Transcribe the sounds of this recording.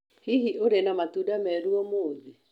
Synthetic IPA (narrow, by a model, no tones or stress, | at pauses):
hiɦiʔoɾenamatuːdamɛɾuɔmoːði